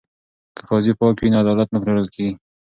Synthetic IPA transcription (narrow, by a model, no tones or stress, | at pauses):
kʰə̥xɑzipɑkwinaad̪ɑlat̪napɾewəlkʰeɡi